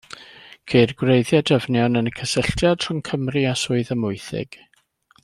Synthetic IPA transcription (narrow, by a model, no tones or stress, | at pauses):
kʰeɨrɡwrejðjadəvnjɔnənəkʰəsɪɬtʰjad̥r̥ʊŋkʰəmriasʊɨðəmʊɨθɪ̰ɡ̥